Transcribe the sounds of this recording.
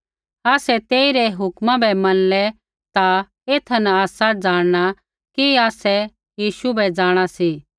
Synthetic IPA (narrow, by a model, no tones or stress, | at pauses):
aːsɛt̪eːiɾɛɦʊkmãbɛmɐnlɛ | t̪a | eːt̪ʰɐnaaːsad͡zaːɽ̃ɽ̃a | kiaːsɛ | jiːʃubʱɛd͡ʒaːɽ̃asi